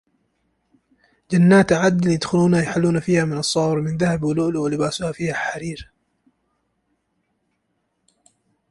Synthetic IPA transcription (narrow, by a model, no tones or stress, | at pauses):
d͡ʒanːaːt̪ʕad̪ljad̪xʊluːnajħalːuːnafiːhamɪnɑsˤːɑːɾmɪnðahabwʊluːʔlwɪlɪbaːsʊhafiːhaħaɾiːɾ